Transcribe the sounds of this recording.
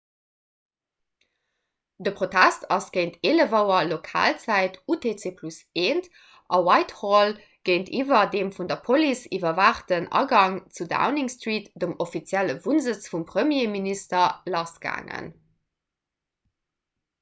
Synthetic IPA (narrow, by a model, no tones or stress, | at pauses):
dəpʁotʰæstɑsɡ̥əɪntʰeːləvəʊɐlokʰa̰ːlt͡sæɪtʰutʰeːt͡seːpʰluseːnt | ʔɑwɑɪthoːl | ɡ̥əɪntʰiːvɐdeːmfundɐpʰolisivɐvaːχtənɑ̰ɡɑŋt͡suda̰ʊniŋstʁiːtd̥əmofit͡sjæləvunzət͡sfumpχəmjeːministɐlɑsɡ̥a̰ːŋə̰n